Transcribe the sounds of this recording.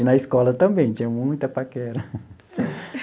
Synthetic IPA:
ɪnɐiskɔlɐt̪ɐ̃mbẽj̃t͡ʃ̪ĩɲɐ̃mũj̃t̪ɐpakɛɾɐ

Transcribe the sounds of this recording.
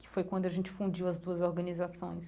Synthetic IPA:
kɪ̥fojkwɐ̃nd̪ʊɐʒẽnt͡ʃɪ̥fũd͡ʒiwɐzd̪uɐzoɾɡɐnizasõj̃s

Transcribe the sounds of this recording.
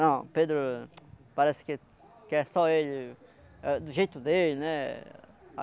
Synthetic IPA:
nɐ̃w̃ped̪ɾʊpaɾɛsɪ̥ke | kɛsɔeʎɪ | ɛd̪ʊʒejt̪ʊd̪elɪnɛ | a

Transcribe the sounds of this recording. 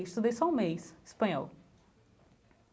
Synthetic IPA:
ʃt̪uðejsɔũmejsspɐ̃ɲɔ̰lˠ

